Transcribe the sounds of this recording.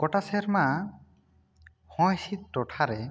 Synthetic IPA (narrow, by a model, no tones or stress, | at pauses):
kɔʈaseɾma | hɔ̃jsit̪̚ɾɔʈʰaɾɛ